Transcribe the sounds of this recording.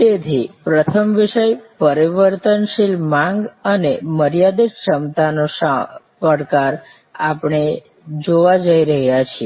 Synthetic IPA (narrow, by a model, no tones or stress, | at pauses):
t̪et̪ʰipɾət̪ʰəmʋiʃəjpəɾiʋəɾt̪ənʃilmãŋɡəneməɾjad̪iʃəmt̪anoʃa | pəɽkaɾ | apɳe | d͡ʒoʋad͡ʒəiɾəɦjat͡ʃʰie